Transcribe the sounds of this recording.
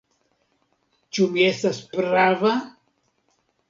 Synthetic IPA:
t͡ʃumie̞staspɾava

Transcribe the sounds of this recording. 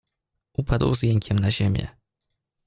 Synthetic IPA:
ʔupʰad̪wzjeŋkʲɛmnaʑemʲjɛ̰

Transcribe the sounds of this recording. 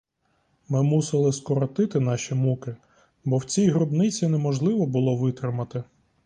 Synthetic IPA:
mɪmusɪlˠɪskɔɾɔt̪ɪt̪ɪn̪ɑʃʲimukɪ | bɔwt͡sʲijɦɾɔbnɪt͡sʲinɛmɔʒlˠɪʋɔbʊlˠɔʋɪt̪ɾɪmɐt̪ɪ

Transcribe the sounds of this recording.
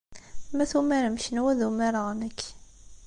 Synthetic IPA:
mæθumæɾmʃnwæðumæɾaʁməkː

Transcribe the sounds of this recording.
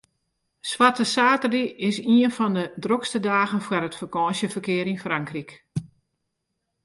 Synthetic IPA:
swatəsaːtərdiɪsiənfɔndədrokstədaːɣənfwəɾətfərkɔːnsjəfərkɪəɾinfraŋkrik

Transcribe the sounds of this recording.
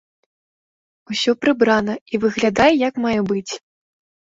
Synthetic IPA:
usʲɔpɾɨbɾanɐivɨɣlʲad̪ajɛjakmajɛbɨt͡sʲ

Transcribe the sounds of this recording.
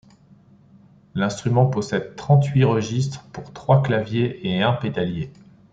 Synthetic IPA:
lɛ̃st̪χymɑ̃pɔsɛd̪̚t̪χɑ̃t̪ɥiʁəʒist̪χpuʁt̪χwaklavjeʔeɛ̃ped̪alje

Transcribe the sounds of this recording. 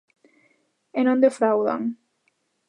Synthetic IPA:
enõnd̪efɾawða̰ŋ

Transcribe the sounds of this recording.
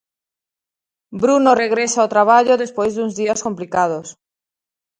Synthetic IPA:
bɾunoreɣ̞ɾesaawt̪ɾaβ̞aʎoðespwejzðunzðiaskomplikað̞os

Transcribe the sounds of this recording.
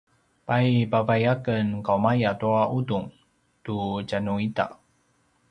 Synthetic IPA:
pajpavajakənkawmajatuaʔuduŋ | tut͡ɕanuita̰

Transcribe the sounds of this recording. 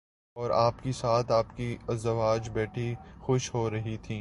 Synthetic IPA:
ɔːɾaːpkesaːt̪ʰaːpkiɐzɐʋaːd͡ʒbɛːʈʰixʊʃɦoːɾɐɦit̪ʰĩː

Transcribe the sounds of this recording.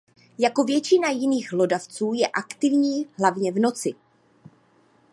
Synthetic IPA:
jako̞vjɛt͡ʃɪnajɪniːɣɦlo̞daft͡suːjɛʔakt̪ɪvɲiːɦlavɲɛvno̞t͡sɪ

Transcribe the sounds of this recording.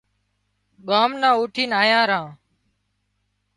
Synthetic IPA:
ɠaːmnãːuːʈʰiːnaːjãːɾãː

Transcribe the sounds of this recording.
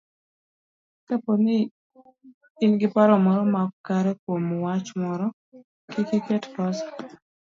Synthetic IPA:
kaponi | nɡɪpaɾɔmɔɾɔmakkaɾɛkwomwat͡ʃmɔɾɔ | kikikɛtpɔsḁ

